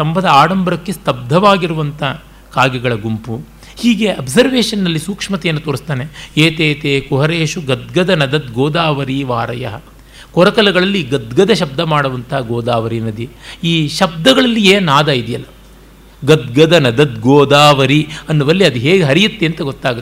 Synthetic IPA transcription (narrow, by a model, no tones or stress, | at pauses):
sɐmbɐd̪ɐaːɽɐmbɐɾɐkːest̪ɐb̚d̪ʱɐʋaːɡiɾuʋɐnt̪ʰɐ | kaːɡɐɡɐɭɐɡumpu | hiːɡe̞ɐbsɐɾʋeːʂɐnːɐlːisuːkʂmɐt̪ɛjɐnːut̪oːɾist̪aːneeːt̪eːt̪eːkuɦɐɾeːʃuɡɐd̪̚ɡɐd̪ɐnɐd̪ɐt̪̚ɡoːd̪aːʋɐɾiːʋaːɾɐ̰jɐ̰ɦɐ | kɔɾɐkɐlɐɡɐɭɐlːiɡɐd̪ɡɐd̪ɐʃɐb̚d̪ɐmaːɽuʋɐnt̪ɐɦɐɡoːd̪aːʋɐɾinɐd̪iiːʃɐb̚d̪ɐɡɐɭɐlːieːnaːd̪ɐid̪ijɐ̰lːɐ | ɡɐd̪ɡɐd̪ɐnɐd̪ɐt̪̚ɡoːd̪aːʋɐɾiɐnːuʋɐlːiɐd̪iɦeːɡeɦɐɾijut̪ːeɐnt̪ɐɡɔt̪ːaːɡɐt̪ː